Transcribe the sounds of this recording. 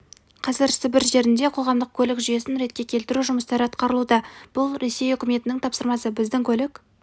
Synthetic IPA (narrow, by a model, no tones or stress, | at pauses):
qʰɑzɪɾsɪbɪɾʒe̞ɾɪnd̪e̞qʰo̞ʁɑmd̪əq̚kʲʰɵlɪkʒʏje̞sɪnɾe̞t̪̚kʲe̞kʲʰe̞lt̪ɪɾuʒʊməst̪ɑɾəɑt̪qɑɾəlˠud̪ɑb̥ʊlˠɾe̞se̞jʏkʲɪme̞t̪ɪnɪŋt̪ʰɑpsəɾmɑsəbɪzd̪ɪŋkʲʰɵlɪkʲ